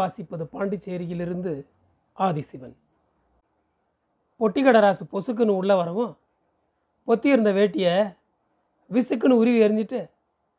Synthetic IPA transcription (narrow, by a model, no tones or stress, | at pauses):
aːsɪpːɐðɯpaːɳɖit͡ʃːeːɾɪjɪlɪɾɯnd̪ɯ | aːðɪsɪʋɐn | pɔʈːɪɣɐɽɐɾaːsɯpɔsɯk̬ːɯnɯ̃ʊɭːɐʋɐɾɐʋõː | pɔt̪ːɯɪɾɯnd̪ɐʋeːʈːɪje | ʋɪsɯk̬ːɯnɯ̃ʊɾɪʋɯɛɾɯnd͡ʒ̪ɪʈːɯ